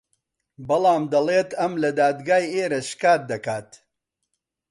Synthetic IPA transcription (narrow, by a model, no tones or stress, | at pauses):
bɐlˠɑːmd̪ɐleːt̪ɐmlɐd̪aːd̪ɡaːjeːɾɐʃkaːt̪̚d̪ɐkaːt̪